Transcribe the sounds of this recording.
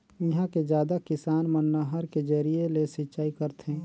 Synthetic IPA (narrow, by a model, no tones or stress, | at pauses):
ɪɦãked͡ʒjaːd̪akɪsaːnmənːəɦəɾked͡ʒəɾielesɪtːt͡ʃaːikəɾt̪ʰɦɛ̃ː